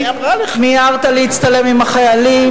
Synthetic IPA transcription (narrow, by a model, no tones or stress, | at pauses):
miaʁt̪aliit͡st̪ale̞mimaχajali